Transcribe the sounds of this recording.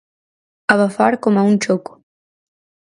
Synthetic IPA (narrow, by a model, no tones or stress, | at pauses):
aβafaɾkomaunt͡ʃokʊ̥